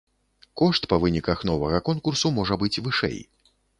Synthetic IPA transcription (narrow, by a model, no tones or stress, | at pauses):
kɔʂt̪pɐvɨnʲikɐxnɔvɐɣɐkɔnkursumɔʐɐbɨt͡sʲvɨʂɛ̰j